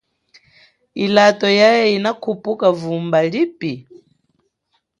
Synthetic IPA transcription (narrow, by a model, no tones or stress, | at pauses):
ilatɔjajɛinakʰupʼukavumbalipi